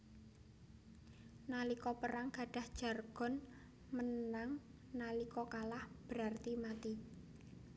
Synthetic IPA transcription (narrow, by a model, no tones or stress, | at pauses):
nalikɔpəɾaŋɡ̥a̤ɖ̥a̤hd̥ʒ̥a̤rɡ̥ɔ̤n | mənaŋ | nalikɔkalahb̥əɾart̪imat̪i